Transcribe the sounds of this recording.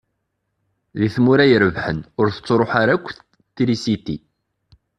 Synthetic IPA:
ðiθmuɾæjəɾəvħənʊɾθə̥t͡sːɾˤoħaɾækʷːθ | t̪ːɾisit̪ḭ

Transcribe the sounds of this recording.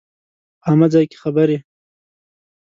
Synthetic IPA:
amazɑjke̥xabaɾe

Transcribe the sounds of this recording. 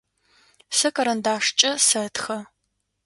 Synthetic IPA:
sɐkʼɐɾɐndaːʂt͡ʃʼɐsɐtʰxɐ

